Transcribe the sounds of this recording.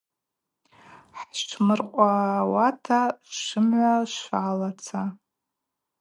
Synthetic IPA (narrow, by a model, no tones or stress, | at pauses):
ħʈ͡ʂʰmɨrqʷʼawatʰaʂɨmʕʷaʂalat͡sʰa